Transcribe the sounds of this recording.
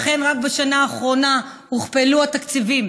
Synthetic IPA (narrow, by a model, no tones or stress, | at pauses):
χe̞nʁak̚baʃanaːχʁo̞nahuχpeluat̪akt͡sivim